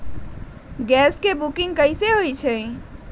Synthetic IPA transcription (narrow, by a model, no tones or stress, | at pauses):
ɡɛskebukiŋɡ̚kəjseɦojt͡ʃʰə